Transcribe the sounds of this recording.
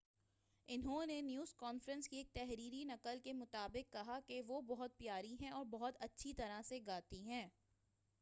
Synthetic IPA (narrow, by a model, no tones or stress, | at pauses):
ɪnɦõnenjuːzkɔːnfɾə̃nskieːk̚t̪ɛɦɾiːɾinɐqəlkemʊt̪aːbɪkːɐɦakeʋobɔɦʊt̪̚pjaːɾiɦɛ̃ɔːɾbɐɦʊt̪ɐtːʃʰit̪ɐɾaseɡaːt̪iɦɛ̃ː